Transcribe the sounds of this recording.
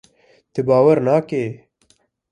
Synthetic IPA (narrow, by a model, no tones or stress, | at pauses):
t̪ɨbaːwɐɾnaːkeː